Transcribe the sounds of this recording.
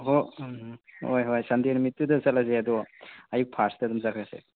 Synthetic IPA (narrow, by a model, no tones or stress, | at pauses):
ɦo | hojɦojsandinmitːudɐsatlazeadɔajuk̚pʰaɾsdadumzakʰɾasḛ